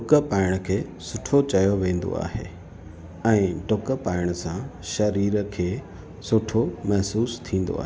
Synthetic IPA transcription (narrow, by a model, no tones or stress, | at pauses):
ɖʊkəpaːɪɽ̃əkʰeː | sʊʈʰot͡ɕɐjoʋẽːn̆d̪o̰a̰ːɦḛː | ɛ̃ːɖʊkəpaːɪɽ̃əsãʃɐɾiːɾəkʰeː | sʊʈʰomɐɦsuːst̪ʰĩːn̆d̪o̰a̰ːɦeː